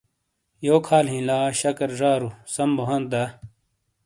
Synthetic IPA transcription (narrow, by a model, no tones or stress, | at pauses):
joːkʰaːlɦĩlaːɕɐkɐɾʐaːɾusɐmboɦɐ̃nt̪̚d̪aː